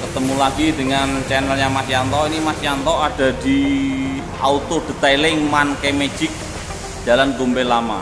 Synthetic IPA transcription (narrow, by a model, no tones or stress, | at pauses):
kət̪əmulaɡ̥idəŋant͡ʃɛnəljaŋmasiant̪ɔinimasiant̪ɔad̥a̤d̪̥i̤ | ʔaut̪od̥ə̤t̪alɪŋmankemed͡ʒɪk̚ | d͡ʒ̥a̤lanɡumbelama̰